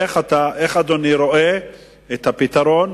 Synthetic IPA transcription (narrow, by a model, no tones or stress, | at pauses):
eχat̪aʔeχad̪oniɾo̞ʔe | et̪hapit̪aɾon